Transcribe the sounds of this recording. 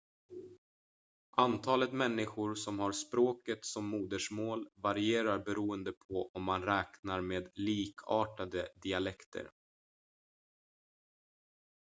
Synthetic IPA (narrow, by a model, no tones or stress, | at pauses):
ʔant̪ʰɑːlət̪mɛnːɪɧʊɾsɔmhaɾspɾoːkət̪sɔmːuːd̪əʂmoːlvaɾɪeːɾaɾbɛɾuːənd̪əpʰɔʔɔmːanɾɛːknaɾmeːd̪liːkʰɑːʈad̪əd̪ɪalɛkt̪ʰə̰ɾ